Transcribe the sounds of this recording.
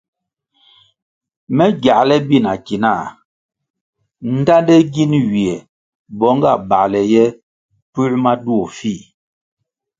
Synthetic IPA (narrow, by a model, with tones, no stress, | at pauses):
mɛ˦ɡja˨ʔlɛ˦bi˦˨na˨ki˨na˦˨ | n̩˦ta˦ndɛ˦ɡi˦nɥi˨ɛ˨ | bɔ˦ŋɡa̰˦˨ba˨ʔlɛ˨jɛ˦ | pu˦ʔma˦du˦o˨fi˦˨